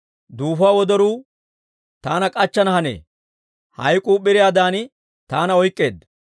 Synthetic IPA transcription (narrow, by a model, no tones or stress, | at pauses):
d̪uːfʊaːwɔd̪ɔɾuː | t̪aːnɐkʼɐt͡ʃːɐnɐhɐnḛː | hɐ̰jkʼuːɓɪɾɪjaːd̪aːn | t̪aːnɐɔjkʼːe̞ːd̪